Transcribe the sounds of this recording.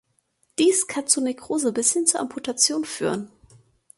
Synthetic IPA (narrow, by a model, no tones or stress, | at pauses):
d̥iːskʰant͡suːnikʁ̥oːzəbɪshɪnt͡suːɐʔampʰutʰat͡sjoːnfy̰ːʁən